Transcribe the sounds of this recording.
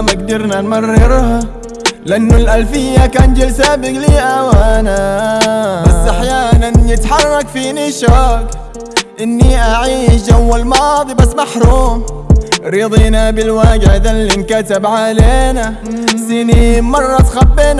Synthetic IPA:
maɡd̪ɪɾnanmɑrˤːɪɾha | lɪʔanːʊlʔalfɪjːakaːnd͡ʒɪlsabɪɡliːʔawaːna | basːʔaħjaːnanjɪt̪ħɑrˤːɑkfiːniʃaːk | ʔɪnːiʔaʕiːʃd͡ʒawːalmɑːd̪ˤibasːmaħɾuːmɾiːd̪ˤiːnabɪlwaːɡɪʕd̪alːinkat̪ɪbʕaleːna | siːnimɑrˤːɑt̪xabːeːn

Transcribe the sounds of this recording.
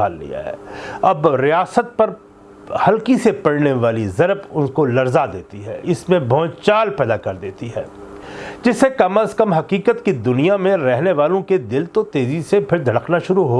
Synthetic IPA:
aːlːḭja̰ɦɛ̰ːɐbɾijaːsət̪̚pɐɾ | hɐlkisepɐɽneʋaːlizɐɾbʊnkolɐɾzad̪eːt̪iɦɛ̰ːɪsmẽbʱɔ̃ːt͡ʃaːlpɛːd̪akɐɾd̪eːt̪iɦɛ̰ː | d͡ʒɪsekɐməskɐmɦɐqiːkət̪kid̪ʊnijamẽɾɛɦneʋaːlõked̪ɪlt̪ot̪eːzisepʰɪɾd̪ʱɐɽəknaʃʊɾuɦoː

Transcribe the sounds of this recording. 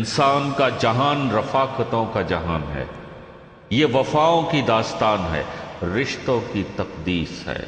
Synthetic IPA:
nsaːnkad͡ʒɐɦaːnɾɐfaːkət̪õkad͡ʒɐɦaːnɦɛ̰ː | jeːʋɐfaːõkid̪aːst̪aːnɦɛ̰ːɾɪʃt̪õkit̪ɐqd̪iːsɦɛ̰ː

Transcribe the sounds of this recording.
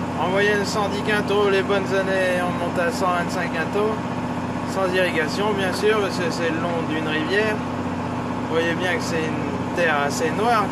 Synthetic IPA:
ɑ̃mwajɛnsɑ̃d̪ikɛ̃t̪olebɔnzaneɔ̃mɔ̃t̪asɑ̃vɛ̃t̪sɛ̃kɛ̃t̪o | sɑ̃ziʁiɡʲasjɔ̃bjɛ̃syːʁpasəsɛlɔ̃d̪ynʁivjɛːʁ | vwajebjɛ̃kə̥sɛt̪yn | t̪ɛʁasenwaːʁ

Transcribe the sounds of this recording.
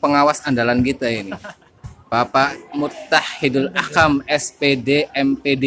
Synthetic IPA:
pəŋawasandalankit̪aini | b̥apamut̪ːahidalakamɛspedeɛmpede

